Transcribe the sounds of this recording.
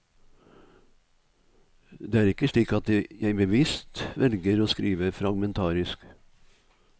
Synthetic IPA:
d̪eːæːɾɪkəʂɭiːkɑt̪̚d̪ejæɪbəʋɪst̪ʋɛlɡəɾoːskɾiːʋəfɾɑɡmɛnt̪ʰɑːɾɪsk

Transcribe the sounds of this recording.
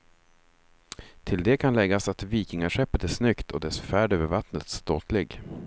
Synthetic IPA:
t̪ʰɪld̪ɛkʰanlɛɡːasat̪viːkɪŋaɧɛpːət̪æʂnʏkt̪ʰɔd̪ɛsfæːɖøvəɾvat̪nət̪st̪oːt̪ʰlɪɡ

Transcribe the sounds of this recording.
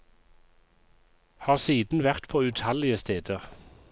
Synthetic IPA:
hɑːʁsiːd̪n̩ʋæʁt̪pʰoːʉt̪ʰhɑlɪəst̪ʰeːd̪əʁ

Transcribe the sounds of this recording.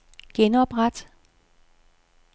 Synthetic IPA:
ɡ̥enɒb̥ʁad̥

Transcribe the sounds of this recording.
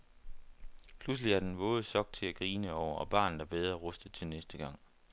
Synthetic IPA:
pʰlus̬liæɐd̥enʋ̥ɔ̽ːð̞ˠsɒ̽ɡ̥̚t͡sʰe̝læɡ̥ʁiːnəɒʊ̰ɐʔɒ̽b̥ɑ̰̈ːnð̩d̥ɑb̥eð̞ˠʁɐʁɔ̽sd̥ðt͡sʰe̝lnesd̥əɡ̥ɑ̈ŋ̰

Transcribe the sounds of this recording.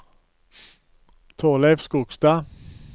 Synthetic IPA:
t̪ʰoːlefskʊɡ̥st̪ɑː

